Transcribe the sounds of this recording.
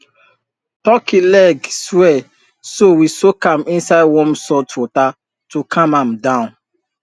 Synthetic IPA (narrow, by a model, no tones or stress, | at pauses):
tɔkilɛɡswɛ | sowisokãmĩnsaɪdwɔ̃msɔtɔta | tukʰãmãmdãʊ̃n